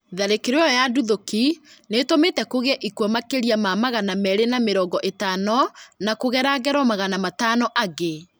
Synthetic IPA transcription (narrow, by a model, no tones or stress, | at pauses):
ðaɾekeɾeɔjaduðokinetometɛkoɣɛʔikwɔmakeɾiamamaɣanamɛɾenameɾɔːɡɔʔetaːnɔnakoɣɛɾaɡɛɾwɔmaɣanamatanɔʔaɣe